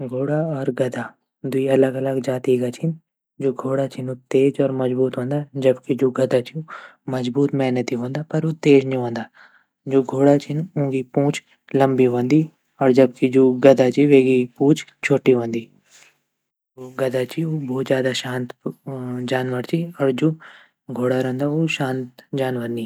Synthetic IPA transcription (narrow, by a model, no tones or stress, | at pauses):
ɡʱoːɽaɔːɾɡɐd̪aː | d̪iɐləɡɐləɡd͡ʒaːt̪iɡat͡ʃʰɪn | d͡ʒoːɡʱoːɽat͡ʃʰɪnut̪eːd͡ʒɔːɾmɐd͡ʒbuːt̪ɦõːnd̪aːd͡ʒɐbkid͡ʒoːɡɐd̪at͡ʃʰiumɐd͡ʒbuːt̪mɛːnət̪iɦõːnd̪aːpɐɾot̪eːd͡ʒnĩɦõːnd̪aː | d͡ʒoːɡʱoːɽat͡ʃʰɪnũːɡipũːt͡ʃ | ləmbiɦõnd̪iː | ɔːɾd͡ʒəb̚kid͡ʒoːɡɐd̪aːt͡ʃiʋeːɡipuːt͡ʃt͡ʃʰoːʈiʋə̃ːnd̪iː | oɡəd̪at͡ʃioːbɔːt̪zjaːd̪aʃãːnt̪ | d͡ʒaːnʋəɾt͡ʃʰiɔːɾd͡ʒoː | ɡʱoːɽaɾə̃ːnd̪aoʃãːnt̪d͡ʒaːnʋəɾnĩ